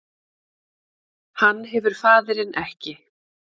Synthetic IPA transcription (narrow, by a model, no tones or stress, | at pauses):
hanːɦɛvʏɾ̥faːðɪɾɪnʔɛhcɪ